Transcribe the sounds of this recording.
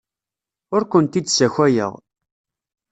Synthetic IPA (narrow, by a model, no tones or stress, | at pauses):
ʊɾkʷənt̪id̪sæçʷæjə̰ʁ